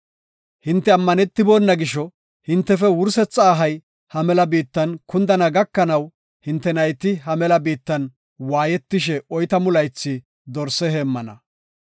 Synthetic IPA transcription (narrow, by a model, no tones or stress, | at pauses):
hɪnt̪ːɛɐmːɐnɛt̪ːɪboːnːɐɡɪʃɔ | hɪnt̪ːɛfɛwʊɾsɛt͡sːaːɦɐj | hɐmɛlɐbiːt̪ːɐnkʊnd̪ɐnɐɡɐkːɐnɐw | hɪnt̪ːɛnɐjt̪ɪɦɐmɛlɐbiːt̪ːɐn | waːjɛt̪ːɪʃ̬ɛɔjt̪ɐmʊlɐjt͡sːɪ | d̪ɔɾsɛɦeːmːɐnɐ̰